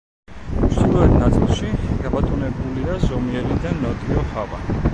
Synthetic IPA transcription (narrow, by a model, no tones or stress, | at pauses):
mɾd̪ilˠɔɛt̪ʰnat̪sʼilˠʃiɡabat̪ʼunɛbuliazɔmiɛlid̪anɔd̪iɔhava̰